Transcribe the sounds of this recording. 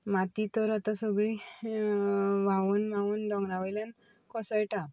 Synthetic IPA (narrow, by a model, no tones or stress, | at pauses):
mat̪it̪ɔɾat̪asəɡɭi | ʋaʋunmaʋunɖɔ̃ŋɡnaʋəjlan | kʰɔsəjʈã